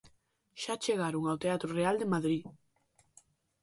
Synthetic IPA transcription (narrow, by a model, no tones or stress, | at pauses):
ʃat͡ʃeɣaɾoŋawt̪eat̪ɾʊreald̪emaðɾi